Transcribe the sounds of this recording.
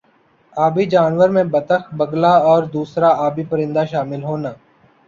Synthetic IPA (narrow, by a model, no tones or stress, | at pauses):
aːbiːd͡ʒaːnʋəɾmẽbət̪əxbəɡlaɔːɾd̪uːsɾaaːbipəɾɪ̃nd̪aʃaːmɪlɦoːnaː